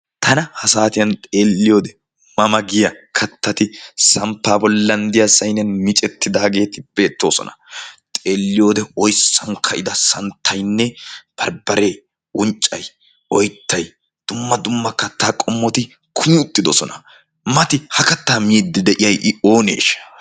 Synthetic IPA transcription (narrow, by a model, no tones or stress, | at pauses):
t̪ʰɐnɐhɐsaːt̪ɪjɐnt̪ʼe̞ːlːɪjoːd̪ɛ | mɐmɐɡɪjɐkʰɐt̪ːɐt̪ɪsɐmpːaːbɔlːɐnd̪ɪjɐsɐjnɪjɐnmɪt͡ʃʼɛt̪ːɪd̪aːɡe̞ːt̪ɪb̥e̞ːt̪ːo̞̰ːsɔ̰nɐ̥̰t̪ʼe̞ːlːɪjo̞ːd̪ɛɔjsːɐŋkʰɐʔɪd̪ɐsɐnt̪ʰːɐjnːɛb̥ɐɾbɐɾe̞ː | ʊnt͡ʃʼːɐj | ɔjt̪ʰːɐj | d̪̥ʊmːɐd̪ʊmːɐkɐt̪ːaːkʼɔmːɔt̪ɪ | kʰʊmɪʊt̪ːɪd̪ɔsɔnɐ | mɐt̪ɪhɐkɐt̪ːaːmiːd̪ːɪd̪ɛʔɪjɐjʔɪo̞ːnḛːʃ